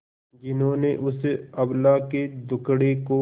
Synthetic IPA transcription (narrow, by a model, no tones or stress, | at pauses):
d͡ʒɪnɦõːneʔʊsɐblaːked̪ʊkɽeko